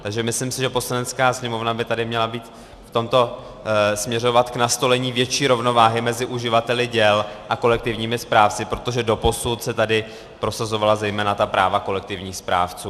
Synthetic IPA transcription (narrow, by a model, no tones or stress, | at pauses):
t̪aɡʒɛmɪslɪmsɪʒɛpo̞slanɛt̪t͡skaːsɲɛmo̞vnabɪt̪adɪmɲɛlabiːt̪ | ft̪o̞mt̪o̞ | smɲɛro̞vat̪knast̪o̞lɛɲiːvjɛt͡ʃiːɾo̞vno̞vaːɦɪmɛzɪʔuʒɪvat̪ɛlɪɟɛlʔako̞lɛk̚t̪ɪvɲiːmɪspɾaːft͡sɪpɾo̞t̪o̞ʒɛdo̞po̞sut̪sɛt̪adɪ | pɾo̞sazo̞valazɛjmɛːnat̪apɾʔaːvako̞lɛk̚t̪ɪvɲiːxspɾa̰ːft͡suː